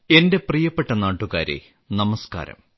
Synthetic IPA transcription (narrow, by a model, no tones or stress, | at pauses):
e̞nde̞prijɐpːe̞ʈːɐnaːʈːuɣa̰ːɾḛ | nɐmɐska̰ːɾɐ̰m